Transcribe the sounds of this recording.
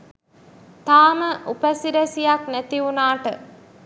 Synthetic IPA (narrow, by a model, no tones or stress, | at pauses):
t̪aːməʔupəsiɾəsijaknæt̪iunaːʈə